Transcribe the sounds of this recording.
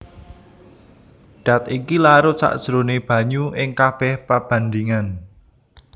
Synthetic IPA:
ɖ̥a̤t̪ikilaɾot͡ʃa̰ʔd̥ʒ̥ɾoneb̥ä̤ɲuʔɪŋkab̥ɛhpab̥ä̤nd̪iŋan

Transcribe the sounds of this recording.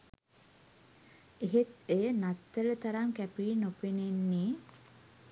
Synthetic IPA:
eɦet̪ejənat̪ːələt̪aɾaŋkæpiːnopenenːeː

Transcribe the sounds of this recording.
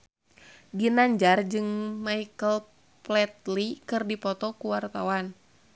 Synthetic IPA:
ɡinaɲd͡ʒard͡ʒɨŋmaikəl | plɛt̪̚likɨrdipɔt̪ɔkuwart̪awan

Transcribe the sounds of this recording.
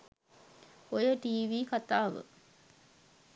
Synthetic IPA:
ojəʈiːʋiːkat̪aːʋə̰

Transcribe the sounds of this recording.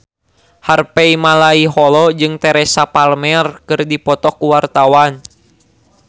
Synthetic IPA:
harpɛimalaiɦɔlɔd͡ʒɨŋt̪ɛɾɛsapalmɛrkɨrdipɔt̪ɔkuwart̪awan

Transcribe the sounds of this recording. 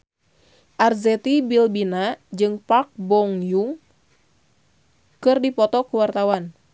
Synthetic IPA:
ʔarzɛt̪ibilbinad͡ʒɨŋpak̚bɔŋjuŋ | kɨrdipɔt̪ɔkuwart̪awan

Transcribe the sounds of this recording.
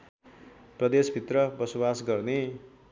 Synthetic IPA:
prʌd̪esbʱit̪rʌbʌsobasɡʌrne

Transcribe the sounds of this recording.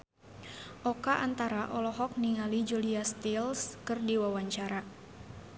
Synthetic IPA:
ʔɔkaʔant̪aɾaʔɔlɔɦɔk̚niŋalid͡ʒuliast̪ilskɨrdiwawaɲt͡ʃaɾa

